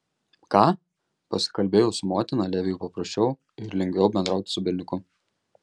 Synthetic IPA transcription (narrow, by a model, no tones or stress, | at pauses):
kɑː | pɐsʲɪ̥kɐlʲbʲeːjɛʊsʊmoːt̪ʲɪnɐlʲæːʋʲɪjuʊpɐpɾɐsʲt͡ʃʲɛʊ | ɪɾlʲɛŋʲɡʲʋʲɛʊbʲɛnd̪ɾɑˑʊt̪ʲɪ̥sʊbʲɪɾʲnʲɪkʊ